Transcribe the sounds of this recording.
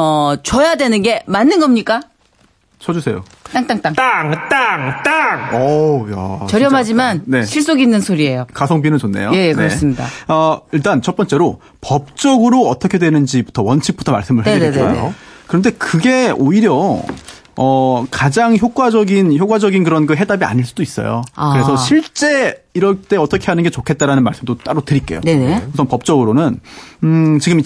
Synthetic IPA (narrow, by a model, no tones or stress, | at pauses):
ʌt͡ɕʌjadwe̞nɯnɡe̞manːɯnɡʌmɲik͈a | t͡ɕʰʌd͡ʑusʰe̞jo̰ | t͈aŋt͈aŋt͈aŋt͈aŋt͈aŋt͈aŋʌja̰t͡ɕʌɾjʌmɦad͡ʑimanne̞ɕʰiɭs͈oɡinːɯnsʰoɾie̞jokas̬ʰʌŋbinɯnt͡ɕonːe̞̰joje̞jekkneɾʌs͈ɯmɲida̰ʌiɭt͈ant͡ɕʰʌp͈ʌnt͡ɕ͈e̞ɾo | pʌp̚t͡ɕ͈ʌɡɯɾoʌt͈ʌkʰedwe̞nɯnd͡ʑibutʰʌwʌnt͡ɕʰik̚p͈u̥tʰʌma̰ɭs͈ɯmɯɭhaɡeneḛeo̰kɯɾʌnde̞kɯɡe̞oiɾjʌ | ʌkad͡ʑaŋçjok̚k͈wad͡ʑʌɡinçjok͈wad͡ʑʌɡinkɯɾʌnɡɯɦe̞dabia̰ɲiɭs͈udois͈ʌ̰jo̰kɯɾe̞sʰʌɕʰiɭt͡ɕ͈e̞iɾʌt͈e̞ʌt͈ʌkʰe̞ɦanɯnɡe̞t͡ɕokʰe̞t̚t͈aɾanɯnmaɭs͈ɯmdot͈aɾotɯɾik͈ejo̰enkesʰʌpʌp̚t͡ɕ͈ʌɡɯɾonɯn | t͡ɕiɡɯmi